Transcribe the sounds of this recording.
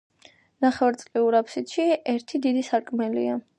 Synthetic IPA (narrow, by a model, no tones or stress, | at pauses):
naχɛɾt̪sʼliuɾapʰsit̪ʃiɛɾt̪ʰid̪id̪isaɾkʼmɛlḭa